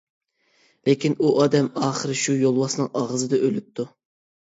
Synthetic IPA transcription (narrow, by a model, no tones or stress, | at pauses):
lekʲinuʔɑːd̪ɛmɑːχəɾɨʃujolˠwɑsnɨŋʔɑʁəzɨd̪ɨʔølyp̚t̪ʰːu